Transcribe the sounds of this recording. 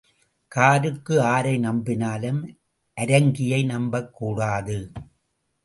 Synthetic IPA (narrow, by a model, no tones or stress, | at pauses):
kaːɾɯkːɯaːɾɐɪnɐmbɪnaːlɯm | ʔɐɾɐŋɡɪjɐɪnɐmbɐkːuːɽaːðɯ